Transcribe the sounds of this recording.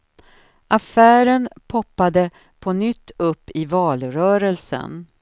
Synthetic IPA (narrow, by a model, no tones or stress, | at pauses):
ʔafæːɾənpʰɔpːad̪ə | pʰɔnʏt̪ʰːɵpːɪvɑːlɾœːɾəlsə̰n